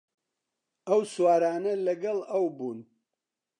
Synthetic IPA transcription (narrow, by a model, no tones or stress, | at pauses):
ɐwswaːɾaːnɐlɐɡɐlˠɐwbuːn